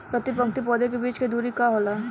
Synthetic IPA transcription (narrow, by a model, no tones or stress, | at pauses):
pɾɐt̪ɪpɐ̃ŋk̚t̪ipɔːd̪ek̬ebiːt͡ʃked̪uːɾikaɦoːla